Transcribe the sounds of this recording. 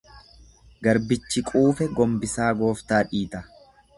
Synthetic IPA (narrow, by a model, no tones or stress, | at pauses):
ɡɐɾbɪt͡ʃːɪkʼuːfɛɡɔmbɪsaːɡo̞ːft̪aːᶑiːt̪ɐ